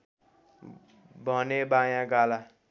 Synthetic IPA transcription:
bʱʌnebajãɡala

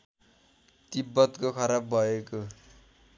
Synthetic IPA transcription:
t̪ibːʌt̪kokʰʌɾab̚bʱʌeko

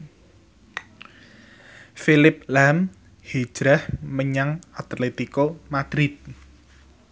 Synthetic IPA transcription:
filɪp̚lam | hi̥ʒ̥ɾahməɲaŋat̪let̪ikomad̪̥ɾɪt̪̚

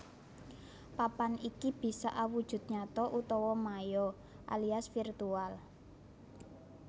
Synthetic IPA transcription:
papanikib̥i̤sa̰ʔawud̥ʒ̥ṳt̪̚ɲat̪ɔʔut̪ɔwɔmajɔ | ʔa̰liasfirt̪ual

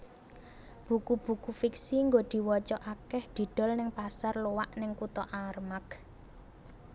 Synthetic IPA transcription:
b̥ukub̥ṳkufiksiŋɡod̪̥i̤wɔt͡ʃɔʔakɛhd̪̥i̤ɖ̪̥ɔ̤lnɪŋpasarlowaʔnɪŋkut̪ɔʔarmak

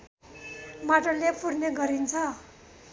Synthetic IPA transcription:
maʈʌlepʰurneɡʌɾint͡sʰʌ

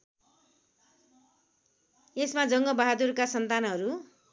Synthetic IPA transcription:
esmad͡zʌŋɡʌbaɦad̪urkasʌnt̪anɦʌɾu

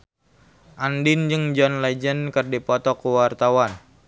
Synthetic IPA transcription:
ʔandɪnd͡ʒɨŋd͡ʒɔnlɛd͡ʒənkərdipɔt̪ɔkuwart̪awan

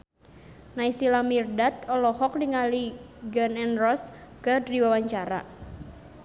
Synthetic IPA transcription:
naisilamirdat̪̚ɔlɔhɔk̚niŋaliɡənɛnrɔskədɾiwawaɲt͡ʃaɾa̰

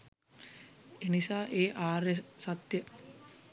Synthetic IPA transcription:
enisaːʔeːʔaːɾesat̪jə

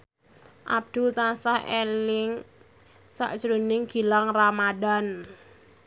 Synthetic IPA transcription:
ʔab̚d̪̥ut̪asahelɪŋ | sa̰ʔt͡ʃɾunɪŋɡ̥i̤laŋramadan

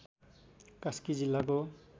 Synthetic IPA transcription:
kaskid͡zilːako

